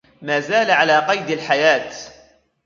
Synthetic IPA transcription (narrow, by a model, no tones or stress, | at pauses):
maːzaːlaʕalaːqɑjd̪alħajaːt̪